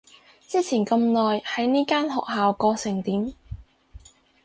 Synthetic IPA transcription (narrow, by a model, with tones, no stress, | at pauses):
t͡siː˥t͡sʰiː˨˩nkɐ˧mnɔː˨˩jhɐ˨˥jniː˥kaː˥nhɔ̰ː˨k̚haː˨wkɔː˧sɪ˨˩ŋt̪iː˨˥m